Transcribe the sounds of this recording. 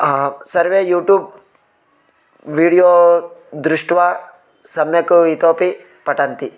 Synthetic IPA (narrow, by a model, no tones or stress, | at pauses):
sɐɾʋeːjuːʈjuːb | ʋiːɽijoːd̪ɾuʂʈʋaː | sɐmjɐkuit̪oːpi | pɐʈɐnt̪i